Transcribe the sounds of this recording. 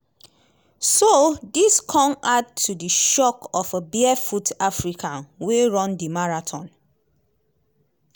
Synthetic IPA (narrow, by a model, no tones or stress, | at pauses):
sodiskʰɔ̃mad̚tʰːudəʃɔkʰɔfəbiɛfutafɹikʰãnweɹɔ̃ndimaɹatʰɔ̃n